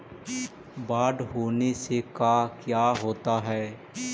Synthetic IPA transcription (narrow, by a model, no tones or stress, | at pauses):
baːɖɦoːnesekaːkjaːɦoːt̪aɦɛː